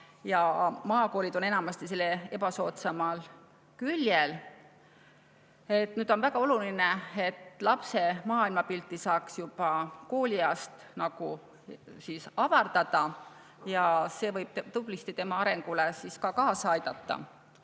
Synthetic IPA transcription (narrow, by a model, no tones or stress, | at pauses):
jɑmɑːko̞ːlid̪̥o̞ne̞nɑmɑst̪ise̞lːee̞pɑso̞ːt̪sɑmɑl | kyljel | e̞t̪nyːd̪̥o̞nvæɡ̥ɑo̞lulineet̪ːˑlɑpse̞mɑːilmɑpilt̪ːˑisɑːksjubɑko̞ːlʲiɑst̪ | nɑɡ̥u | sisɑvɑrd̪̥ɑd̪̥ɑ | jɑse̞ːvɤjb̥̚t̪t̪ub̥list̪it̪e̞mɑɑɾe̞ŋɡ̥ulesiskɑkɑːsɑɑjd̪̥ɑt̪ːɑ̰